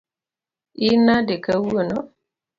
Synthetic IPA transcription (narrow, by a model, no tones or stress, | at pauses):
inadekəwuno